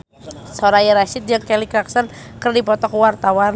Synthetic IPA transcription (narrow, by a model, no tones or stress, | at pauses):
sɔɾajəɾaʃɪt̪̚d͡ʒaŋkɛlikɾaksɔnkɨrdipɔt̪ɔkwart̪awan